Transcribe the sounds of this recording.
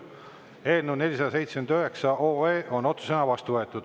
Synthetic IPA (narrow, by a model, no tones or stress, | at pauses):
e̞ːlneune̞lʲisɑd̪ɑse̞jt̪smend̪øɦe̞ksɑʔoːeːʔo̞no̞t̪su̥senɑvɑst̪uvɤe̞t̪ːˑud̪̥